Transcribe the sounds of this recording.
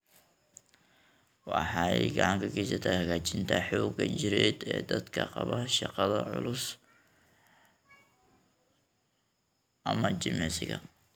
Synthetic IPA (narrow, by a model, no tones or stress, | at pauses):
wɑħɑɛjɡɑʕɑŋkʰɐkɛjsɐt̪ʰahɐɣaːt͡ʃɪnt̪ʰɐħɔːɡɐt͡ʃɪɾɛːd̪ɛːd̪ɐd̪kʰɐqɑβɐʃɑqɑðɐʕʊlʊs | ʔɐmɐt͡ʃɪmɛsɪɣɐ̰